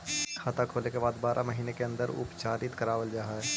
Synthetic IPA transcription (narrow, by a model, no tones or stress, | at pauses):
kʰaːt̪akʰoːlekebaːd̪baːɾʔamɐɦiːnekeɐ̃nd̪əɾʊ̰pt͡ʃaːɾɪt̪kəɾaːʋəld͡ʒaːɦaɦɛː